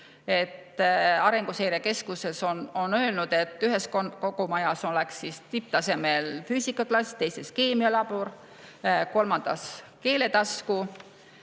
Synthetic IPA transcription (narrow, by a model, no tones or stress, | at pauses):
e̞t̪ːɑɾe̞ŋɡ̥usejɾeke̞skuse̞sononø̞ːlnud̪̥e̞t̪ːˑyɦe̞skokoɡ̥umɑjɑso̞leksːist̪ip̚t̪ɑse̞melfyːsikːˑɑklɑsʲt̪e̞jse̞ske̞ːmiɑlɑb̥uɾ | ko̞lmɑnd̪̥ɑ̰ske̞ːle̞t̪ɑsku